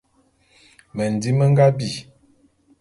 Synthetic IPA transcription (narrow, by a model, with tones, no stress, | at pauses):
mə˨n˨di˦mə˦ŋ˦ɡa˦bi˦˨